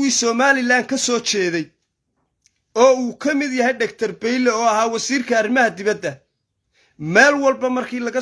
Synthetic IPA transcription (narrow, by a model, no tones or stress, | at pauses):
iːsɔːmaːlɪlaːnkʰɐsɔːt͡ʃʰɛːðɛj | ɔːuːkʰɐmɪd̪jɐɦɛjɖɐk̚t̪ʰɐrbɛjlɛɔːɐɦaːwɐsiːrkʰɐːrɪmɐhɐd̪ɪβɐd̪ːɐ | mɛːlwɐlbɐmɐrkʰiːlɐɣɐ